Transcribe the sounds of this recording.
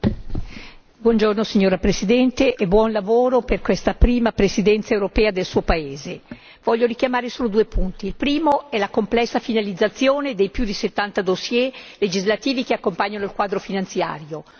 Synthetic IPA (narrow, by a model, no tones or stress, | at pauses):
bwɔnd͡ʒornosiɲoːɾapɾesid̪ɛnt̪eʔɛbwɔnlavoːɾoperkwest̪apɾiːmapɾesid̪ɛnt̪saewɾopɛːad̪elsuːopaeːze | vɔʎːoɾikjamaːɾesoːlod̪uːepunt̪iːlpɾiːmoɛlakomplɛsːafinalid̪zːat̪sːjoːned̪ejpjud̪iset̪ːant̪ad̪osjeled͡ʒizlat̪iːvikeakːompaɲːanoilkwaːd̪ɾofinant̪sja̰ːɾjo